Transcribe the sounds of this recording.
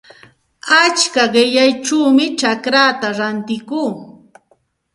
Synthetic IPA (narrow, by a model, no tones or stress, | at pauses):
at͡ʃkaɢɪʎajʈ͡ʂuːmɪt͡ʃakɾat̪aɾant̪ɪkuː